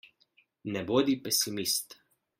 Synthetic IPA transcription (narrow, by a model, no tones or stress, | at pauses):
nɛboːd̪ipɛsimist̪